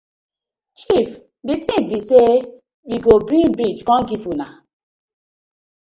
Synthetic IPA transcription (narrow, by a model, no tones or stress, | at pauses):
t͡ʃif | ditĩbise | wiɡobɾĩmbɾit͡ʃkɔ̃nɡivuna